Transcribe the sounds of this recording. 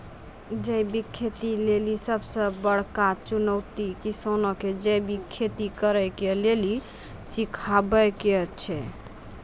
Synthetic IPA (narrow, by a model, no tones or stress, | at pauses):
d͡ʒəjbikʰːet̪ilelisəbsəbəɽ̤kat͡ʃunəwt̪ikisonɔked͡ʒejbikʰːet̪ikəɾəjkeleli | sikʰabəket͡ʃʰɛ